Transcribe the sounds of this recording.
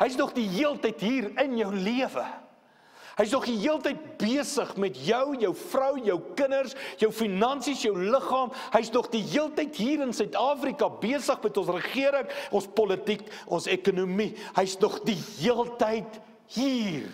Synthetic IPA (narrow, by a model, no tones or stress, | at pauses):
ɦəjs̬nɔχdiɦiəlˠtəjtɦiːrənjœwliəvə̰ | ɦəjs̬nɔχdiɦiəlˠtəjt̚biəsəχmɛtjœwjœwfrɐwjœwkənərsjœwfinɐnsisjœwləχɑːmɦəjsnɔχdiɦiəlˠtəjtɦiːɾənsœɥtɑːfrikɐbiəsəχmɛtɔ̃nsrəχiəɾəŋʔɔ̃nspɔlətik | ʔɔnsɛkunumihəjsnɔχdiɦiəlˠtəjt | hiːr